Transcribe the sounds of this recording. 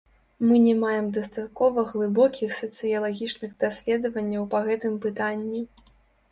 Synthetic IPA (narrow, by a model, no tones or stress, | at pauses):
mɨnʲɛmajɛmd̪ɐst̪at̪̚kɔvɐɣlˠɨbɔkʲixsɐt̪sɨjɐlˠaɣʲit͡ʂnɨɣd̪asʲlʲɛd̪ɐvɐnʲːɐwpɐɣɛt̪ɨmpɨt̪anʲːi